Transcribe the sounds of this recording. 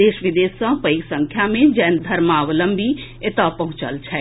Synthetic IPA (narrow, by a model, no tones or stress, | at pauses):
d̪eːʃʋɪd̪eːsə̃pəiksə̃ŋkʰjamẽd͡ʒɛːnd̪ʱəɾmaːʋələmbʱiet̪apəɦʊ̃t͡ʃəlt͡ʃʰɛ